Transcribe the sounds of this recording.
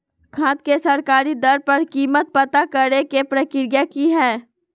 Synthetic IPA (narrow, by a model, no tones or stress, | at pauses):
kʰãːt̪kesɐɾkaːɾid̪ɐɾpɐɾkiːmət̪̚pɐt̪akɐɾekepɾɐkɪɾjakiɦɛː